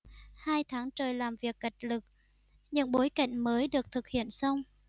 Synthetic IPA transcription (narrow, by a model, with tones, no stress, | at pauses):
haː˧jt̪ʰaː˨˦ŋt͡ɕəː˨˩jlaː˨˩mvi˨˩əkːa˨˩jk̟̚lɨ˨˩k̚ | ɲɨ̰˧˥ŋɓo˨˦jka̰˧˨jŋ̟məː˨˦jɗɨ˨˩ək̚t̪ʰɨ˨˩k̚hḭ˧˨ənsə˧wŋ͡m